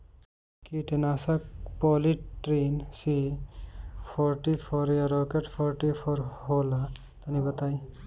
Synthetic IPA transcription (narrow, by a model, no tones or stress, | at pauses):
kiʈenaːsɐkpɔliʈɾinsi | pʰɔɾʈipʰɔɾjaɾɔːkeʈpʰɔɾʈipʰɔɾɦoːla | t̪ɐnibɐt̪aːi